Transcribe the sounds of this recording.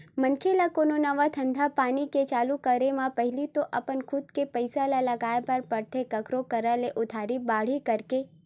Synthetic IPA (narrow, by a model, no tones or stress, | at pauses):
mənkʰelakoːnonəʋat̪ʰə̃nd̪ʱapaːniket͡ʃaːlukəɾemãpəɦɪlit̪oʔɐpənkʰʊd̪kepəjsalalɐɡaːepəɾpəɽt̪ʰekɐkɾokəɾəleʔʊd̪ʱaːɾibaːɽ̤ikəɾke